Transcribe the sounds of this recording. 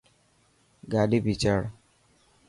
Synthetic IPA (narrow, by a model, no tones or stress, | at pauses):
ɡaɖibit͡ʃaɽ